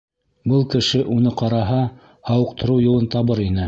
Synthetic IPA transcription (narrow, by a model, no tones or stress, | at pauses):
bɤlˠkɘ̆ʃɘʔunɤqɑɾɑɦɑ | hɑwɤ̆qt̪ɤ̆ɾɤwjŭlˠɤnt̪ɑβɤɾinɘ